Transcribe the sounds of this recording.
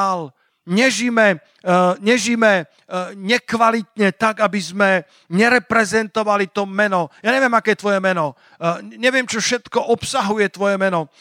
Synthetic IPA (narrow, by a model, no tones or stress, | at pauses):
al | ɲɛʒimɛ | ɲɛʒimɛ | ɲɛkʋalit̪ɲɛt̪aɡabizmɛ | ɲɛɾɛpɾɛzɛnt̪ɔʋalit̪ɔmɛnɔjaːɲɛʋɪɛmakɛːjɛt̪ʋɔjɛmɛnɔ | ɲɛʋɪɛmt͡ʃɔfʃɛt̪kɔʔɔpsaɦujɛt̪ʋɔjɛmɛnɔ